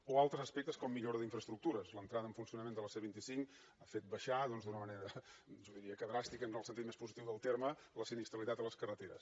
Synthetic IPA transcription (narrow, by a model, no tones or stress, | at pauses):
oalˠt̪ɾəzəspɛk̚t̪əskɔmːiʎoɾəðiɱfɾəst̪ɾuk̚t̪uɾəzlənt̪ɾaðəɱfunsiunəmend̪ələseβint̪isiŋk | afet̪̚bəʃaðɔnzðunəməneɾəʒɔðiɾiəkəðɾast̪ikənəlˠsənt̪it̪mespuzit̪iwðəlˠt̪ermələsinist̪ɾəlit̪at̪ələskərət̪eɾə̰s